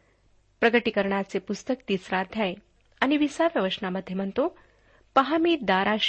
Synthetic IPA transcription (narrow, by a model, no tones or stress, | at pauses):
pɾɐɡəʈikəɾɳ̃at͡sepust̪ək̚t̪iːsɾaːd̪ʱjae | aniʋisaʋjɐʋəɕɳaməd̪ʱjəmɐnt̪o | pɐɦamiːd̪aːɾaʃ